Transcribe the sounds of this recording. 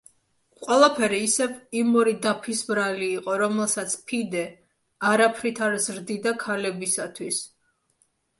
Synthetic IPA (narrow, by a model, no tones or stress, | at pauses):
qʼwɛlˠapʰɛɾiːsɛvimɔɾid̪apʰisbɾaliːqʼɔɾɔmɛlˠsat̪sʰpʰid̪ɛ | aɾapʰɾit̪ʰaɾzɾd̪id̪akʰalɛbisat̪ʰwis